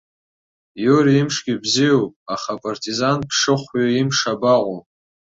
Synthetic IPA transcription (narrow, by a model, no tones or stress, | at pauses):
joɾiimʂɡʲibzijowpʼaχapʼartʰʼizanpʰʂɨχʷɥaimʂabaqʷʼo